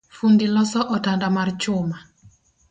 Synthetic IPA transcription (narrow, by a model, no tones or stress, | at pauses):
fundilɔsɔʔɔtandamart͡ʃʊma